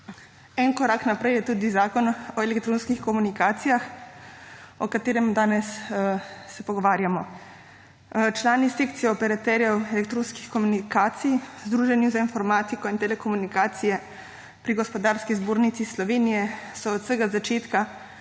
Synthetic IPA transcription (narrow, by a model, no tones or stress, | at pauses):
ɛnkɔɾaːknapɾɛjɛt̪uːd̪izaːkɔnɔelɛkt̪ɾoːnskixkɔmunikaːt̪sijax | ɔkat̪eːɾɛmd̪aːnɛsː | ɛpɔɡɔʋaːɾjamɔ | t͡ʃlaːnisekt̪sijɛɔpɛɾat̪ɛɾjɛwelɛkt̪ɾoːnskixkɔmunikaːt̪sijzd̪ɾuːʒɛnjuzainfɔɾmaːt̪ikɔint̪ɛlɛkɔmunikaːt̪sijɛ | pɾiɡɔspɔd̪aːɾskizboːɾnit̪sislɔʋeːnijɛsɔːt̪səɡazat͡ʃeːt̪ka